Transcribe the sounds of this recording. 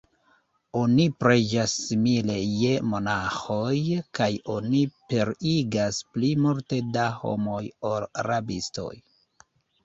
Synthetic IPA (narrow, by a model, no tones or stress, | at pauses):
onipɾe̞d͡ʒasːimile̞je̞mo̞naxo̞jkajo̞nipe̞ɾiɡasplimulte̞daho̞̰mo̞jo̞laɾabisto̞̰j